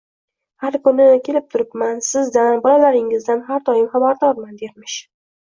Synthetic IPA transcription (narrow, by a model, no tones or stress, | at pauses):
haɾkʊnɪkʲʰe̞lɪp̚t̪ʰʊɾɪpmansɪzd̪anbɒlalaɾɪŋɪzd̪anɦaɾd̪ɒjɪmχabaɾd̪ɒɾmand̪eɾmɪʃ